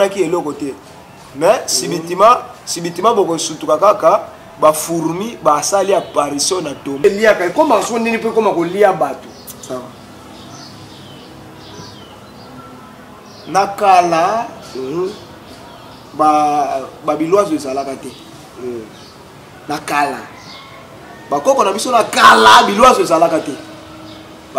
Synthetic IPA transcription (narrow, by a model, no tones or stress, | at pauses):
akielɔkɔtɛ | mɛsibitimasibitimabokosutukakaka | bafuɾumibasaliapaʁisɔnatomeliakaekomakosoondenip̬komakoliabato | nakala | bababilwazoezalakatɛ | nakala | bakɔkɔnabisonakalabilwazoezalakatɛ